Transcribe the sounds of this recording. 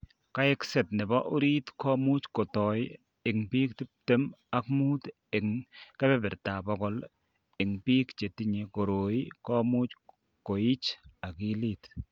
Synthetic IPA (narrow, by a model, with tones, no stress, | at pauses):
ka˦ɪ˦ksɛ˨tnɪ˨bɔ˦ʔu˦ɾi˦tkɔ˦mu˦t͡ʃko˨tɔ˨j | ɪ˨ŋpi˦k̚tɪ˦p̚te˦ma˦kmu˦t | ɪ˨ŋkɛ˦bɛ˦bɪ˨ɾta˨bɔ˦kɔ˦l | ɪ˨ŋpi˦kt͡ʃe˨ti˦ɲe˨ko˨ɾo˨i˦kɔ˦mu˦t͡ʃ | ko˨i˦t͡ʃa˨kɪ˦li˦t